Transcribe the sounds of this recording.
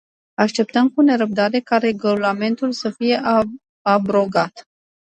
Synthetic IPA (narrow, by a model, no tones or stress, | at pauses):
aʃt̪e̞p̚t̪əmkune̞ɾəb̚d̪aɾe̞kaɾe̞ɡolame̞nt̪ulsəfije̞ʔ | abɾo̞ɡat̪